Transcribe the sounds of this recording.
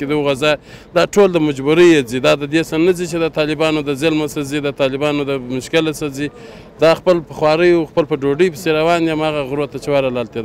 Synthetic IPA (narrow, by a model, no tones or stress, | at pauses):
ked̪əuɣazɑjd̪ɑʈold̪əmad͡ʒbuɾəjezid̪ɑd̪əd̪esanazit͡ʃed̪ət̪ɑlɪbɑnod̪əzɪlmasazid̪ət̪ɑlɪbɑnod̪əmʊʃkɪlasazi | d̪ɑxpəlpəxwɑɾəjuxpəlpəɖoɖəjpə̥seɾawɑnd̪iamɑɣaɣɾot̪at͡ʃewaɾalɑlt̪ed̪